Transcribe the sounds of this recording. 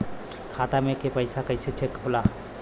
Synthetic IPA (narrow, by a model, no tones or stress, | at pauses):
kʰat̪amekepəjsakəjset͡ʃʰekola